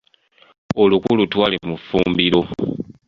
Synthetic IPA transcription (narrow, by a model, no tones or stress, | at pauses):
olukulutwaːlimufuːmbiɾo̞